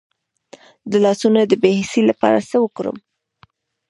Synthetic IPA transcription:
d̪əlɑsunad̪əbehɪsilapɑ̰ɾasəwəkoɾə̰m

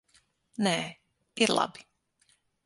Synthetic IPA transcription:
nɛː | iɾlˠa̰bi̥

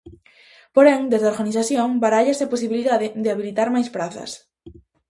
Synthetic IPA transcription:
poɾɛŋd̪ezðaoɾɣaniθaθjõŋbaɾaʎaseaposiβiliðaðɪðeaβilit̪aɾmajspɾaθɐ̰s

